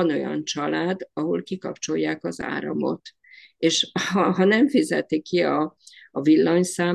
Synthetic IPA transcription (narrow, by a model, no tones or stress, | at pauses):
ɒno̞jɒ̰nt͡ʃɒlaːd̪ɒɦo̞lkikɒp̚t͡ʃo̞jːaːkɒza̰ːɾɒ̰mo̞̰t̪ | eːʃhɒɦɒnɛɱfizɛt̪ikːiɒːvilːɒɲsaː